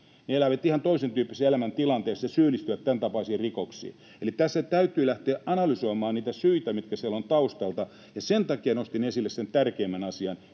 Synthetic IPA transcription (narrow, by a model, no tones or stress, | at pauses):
neelæʋæt̪ihɑnt̪oisent̪yːpːiseelæmænt̪ilɑnt̪eːsjɑsyːlːˑist̪yʋæt̪tænt̪ɑpɑːsiːrikoksḭː | elit̪æsːæt̪æyt̪ˑyːlæht̪eːʔʔɑnɑlysoimɑːnniːt̪æsyit̪æmit̪kæsielont̪ɑust̪ɑlt̪ɑ | jɑsent̪ɑkiɑnost̪inesilːesent̪ærkeːmːænɑsiɑn